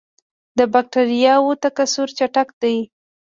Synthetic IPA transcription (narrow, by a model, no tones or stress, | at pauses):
d̪əbak̚ʈaɾijɑwot̪akasuɾt͡ʃaʈakd̪aj